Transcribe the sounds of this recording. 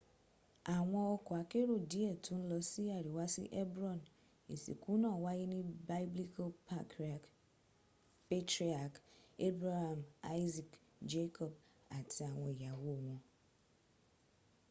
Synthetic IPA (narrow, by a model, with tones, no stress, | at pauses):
a˨ŋʷɔ̃˦ɔ˦kʊ˨a˨ke˦ɾo˦di˦e˨tʰʊ̃˦n̩˦lɔ˦si˦a˨ɾi˨wa˦sḭ˦ʔe˦bɾɔ̃˦˨n | e˨sḭ˨ku˦nɔ̃˦˨wa˦ji˦nĩ˦ba˦ɪ˦bli˦kʰa˦pa˦k | pe˦tɾi˦a˨ke˦bɾa˦ha˨ma˦jzi˨k | d͡ʒe˦kʰɔ˨b̚ | a˨tʰɪ˨a˨ŋʷɔ̃˨ja˨wo˦˨ŋʷɔ̃˨